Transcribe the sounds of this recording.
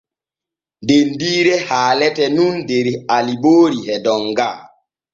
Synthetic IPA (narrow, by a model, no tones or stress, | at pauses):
dendiːɾɛhaːlɛtɛnundeɾialiɓoːɾihɛdɔŋɡa